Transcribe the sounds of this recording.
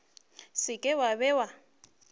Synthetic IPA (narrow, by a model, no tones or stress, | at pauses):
sɪkʼɛwabɛwa